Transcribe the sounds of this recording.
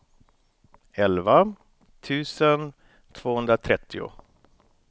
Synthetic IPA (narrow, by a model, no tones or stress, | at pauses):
ɛlva | t̪ʰʉ̟ːsən | t̪ʰv̥oːhɵnd̪ɾat̪ʰɾɛt̪ʰːɪʊ̰